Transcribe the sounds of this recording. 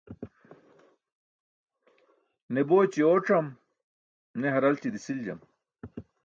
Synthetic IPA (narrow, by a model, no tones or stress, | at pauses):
neboːt͡ɕioːʈ͡ʂɐm | neɦɐɾɐlt͡ɕid̪isild͡ʑɐ̰m